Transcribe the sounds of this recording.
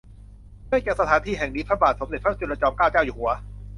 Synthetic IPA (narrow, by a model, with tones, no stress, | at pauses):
dɯ˥˩jkɛː˨˩wsa˧t̪ʰaː˩˦nt̪ʰiː˧ɦɛ˨˩ŋniː˦˥t̪ʰaː˥˩baː˨˩t̪so˨˦mde˨˩t̪̚ʰa˥˩t͡ɕu˧nɾa˧t͡ɕɔː˧mkaː˥˩wt͡ɕaː˥˩wjuː˨˩hu˩˦ɐ